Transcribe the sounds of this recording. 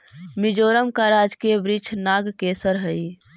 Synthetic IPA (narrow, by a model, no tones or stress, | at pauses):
mid͡ʒoɾəmkaɾad͡ʒkebɾit͡ʃʰnaɡkesəɾɦəj